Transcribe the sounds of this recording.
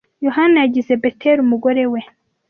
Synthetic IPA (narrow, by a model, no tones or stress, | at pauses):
jo̞ɦanajaɟize̞betʰeɾumuɡo̞ɾe̞we̞